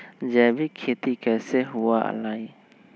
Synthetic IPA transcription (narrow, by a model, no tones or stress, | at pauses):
d͡ʒɛbikʰet̪ikasɛɦuwaʔa̰laj